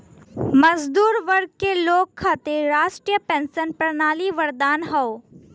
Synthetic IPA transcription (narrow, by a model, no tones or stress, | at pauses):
mɐzd̪uːɾʋɐɾɡ̚keloːɡkʰːat̪eɾaːʃʈɾijəpɛ̃ːnsənpɾɐnaːliʋɐɾd̪aːnɦɐo